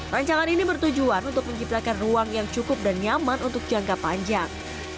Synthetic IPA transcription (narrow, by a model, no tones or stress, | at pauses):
raɲt͡ʃaŋaninibərt̪ud͡ʒuanunt̪ʊk̚məɲt͡ʃip̚t̪akanruaŋjaŋt͡ʃukʊp̚danjamanunt̪ʊk̚d͡ʒaŋkapaɲd͡ʒaŋ